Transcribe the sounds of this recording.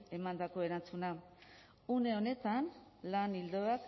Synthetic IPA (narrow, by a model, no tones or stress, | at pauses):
e̞mand̪ako̞e̞ɾant͡suna | une̞o̞ne̞t̪anlanild̪oak